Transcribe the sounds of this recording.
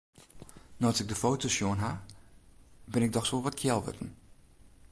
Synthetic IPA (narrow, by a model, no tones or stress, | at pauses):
nɔasɪɡ̚dəfowtʰosjoənɦa | bɪnɪɡ̚dɔxsʋolˠʋɔtkʰjɛlˠʋø̰tn̩